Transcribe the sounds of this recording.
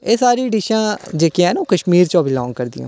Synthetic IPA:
eːsaːɾiːɖiʃãːd͡ʒeːkijãːɛnoːkəʃmiːɾt͡ʃɔːbʱiːlɔːŋɡkəɾd̪ḭõ̰ː

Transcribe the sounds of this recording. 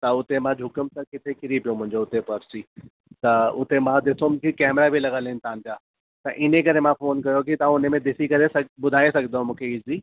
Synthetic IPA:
t̪ɐʊt̪emãd͡ʑʱʊkəmsɐkɪt̪ʰekɪɾipijõmʊ̃ɦɪ̃ɲd͡ʑoʊt̪epɐɾsiː | t̪ɐʊt̪emãd̪ɪsomkikɛːmɾabʱilɐɡəlɪɪnɪt̪aãɲd͡ʑaː | t̪ɐʔɪnek̬ɐɾemãfoːnkɐjokit̪ɐãʊnmẽd̪ɪsikɐɾesɐbʊd̪ʱaːesɐɡd̪õmũːkʰeɪzi

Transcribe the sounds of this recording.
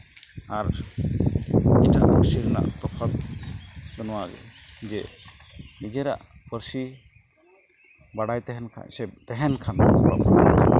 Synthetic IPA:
aɾ | ɛʈaʔpəɾsiɾɛna̰ʔt̪ɔpʰat̪̚ | d̪ɔnɔwaɡɛ̰d͡ʒɛ | nid͡ʒɛɾa̰ʔpəɾsi | baɽajt̪ɛɦɛnkʰa̰nsɛt̪ɛɦɛnkʰanba̰b

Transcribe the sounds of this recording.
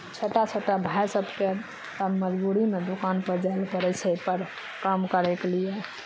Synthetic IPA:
t͡ʃʰoːʈat͡ʃʰoʈabʱajsəbʱke | t̪əməd͡ʒbuɾimed̪ukanpəɾd͡ʒaelpəɾesepəɾ | kamkəɾeklije

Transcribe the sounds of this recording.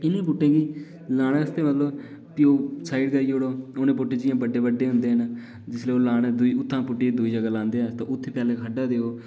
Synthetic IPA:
ɪnẽːpʊʈːẽːɡiː | laːɽ̃ẽːəst̪eːmət̪ləb | kioːsaːiɖkəɾiːoːɽoːoːnẽːpoʈːẽːd͡ʒɪjãːbəɖːeːbəɖːeːɦʊ̃nd̪eːɦən | d͡ʒɪsleːoːlaːɽ̃eːd̪ʊiːʊt̪ʰːãːpʊʈːiːd̪ʊiːd͡ʒəɡaːlãːnd̪eːaːt̪ãːʔʊt̪ʰːeːpjaːleːkʰəɖaːd̪eːoː

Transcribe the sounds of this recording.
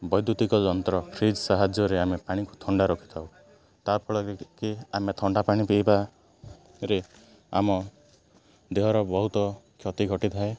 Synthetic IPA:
bɔjd̪ut̪ikɔd͡ʒɔnt̪ɾɔpʰɾid͡ʒɔsaɦad͡ʒjɔɾeamepaɽ̃iku̥t̪ʰɔɳɖaɾɔkʰi̥t̪ʰaw | t̪aɾpʰɔɭɔkiamet̪ʰɔɳɖapaɽ̃ipejba | ɾe | a̰mɔ | d̪eɦɔɾɔbɔɦut̪ɔkʰjɔt̪iɡʱɔʈit̪ʰae

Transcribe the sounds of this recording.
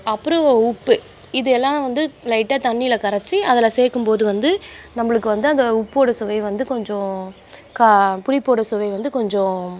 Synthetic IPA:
ɐpːɯɾõʊpːɯ | ɪðɯɛlːãːʋɐnd̪ɯlɐɪʈːɐt̪ɐɳːijɪlɐkɐɾɐt͡ʃːɯɐðɛlaseːkːɯmpoːðɯʋɐnd̪ɯnɐmːɐɭɯkːɯʋɐnd̪ɯɐnd̪ɐʊpːoːɽɐsʊʋɐɪʋɐnd̪ɯkɔɲd͡ʒɔ̃ | kɐpʊɽɪpːoːɽɐsʊʋɐɪʋɐnd̪ɯkɔɲd͡ʒɔ̃

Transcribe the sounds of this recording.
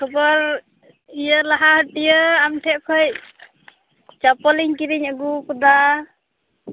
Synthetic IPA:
kʰɯbɔɾ | ijəlaɦahəʈijəamtʰɛʔkʰəj | t͡ʃapɔliŋkiɾiŋaɡukud̪a

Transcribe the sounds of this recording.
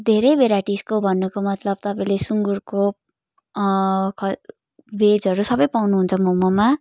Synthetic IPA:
d̪ʱeɾʌjbʱeɾaʈiskobʱʌnːukomʌt̪lʌb̚t̪ʌpaĩlesuŋɡurko | kʰʌ | bed͡zɦʌɾusʌbʌjpawnuɦunt͡sʰʌmomoma

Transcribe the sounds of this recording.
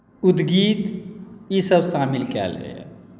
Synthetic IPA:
ud̪ɡiːt̪jisəbsaːmilkɛ̰ːlɡə̰ja̰

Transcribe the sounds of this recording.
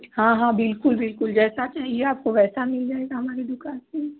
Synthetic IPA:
hãːɦãːbɪlkʊlbɪlkʊld͡ʒɛːsat͡ʃaːɦieaːp̚koʋɛːsamɪld͡ʒaːeːɡaɦɐmaːɾed̪ʊkaːnse

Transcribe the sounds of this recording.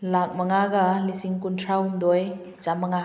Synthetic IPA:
lak̚mɐŋaɡalisiŋkuntʰɾaumd̪ɔj | t͡ʃamɐŋa

